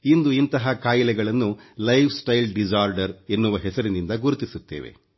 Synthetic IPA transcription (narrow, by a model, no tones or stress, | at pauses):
ind̪uint̪ɐɦɐkaːjilɛɡɐɭɐnːulɐjʋʰsʈɐjlɖid͡ʒaːɾɖɐɾe̞nːuʋɐɦɛsɐɾinind̪ɐɡuɾut̪isut̪ːeːʋe̞̰